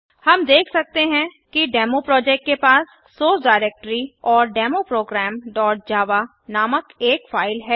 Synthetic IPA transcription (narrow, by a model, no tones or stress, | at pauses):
hɐmd̪eːkʰsɐk̚t̪eɦɛ̃kiɖɛːmopɾɔːd͡ʒɛːk̚ʈkepaːsː | oːsɖaːɪɾeːk̚ʈɾiɔːɾɖɛːmopɾoːɡɾɛːmɖɔːʈ̚d͡ʒaːʋa | naːməkeːkfaːɪlɦɛː